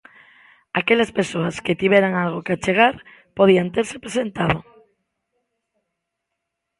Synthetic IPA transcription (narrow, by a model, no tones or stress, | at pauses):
akeʎaspesoasket̪iβeɾaŋalɣ̞okeat͡ʃeɣ̞aɾ | poðiant̪eɾsepɾesent̪að̞o